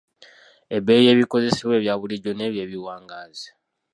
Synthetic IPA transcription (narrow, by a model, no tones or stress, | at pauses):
e̞be̞ːje̞ːβiko̞ze̞siβwe̞ːβjaːβuliɟo̞ne̞ːβje̞ːβiwaːŋɡaːzi̥